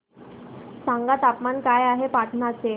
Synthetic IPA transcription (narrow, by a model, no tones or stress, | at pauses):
sãŋɡat̪apmankajaɦepaʈʰnat͡se